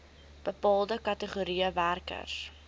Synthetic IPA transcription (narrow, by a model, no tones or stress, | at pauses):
b̥əpɑːlˠdəkɐtəχuɾiəværkə̰s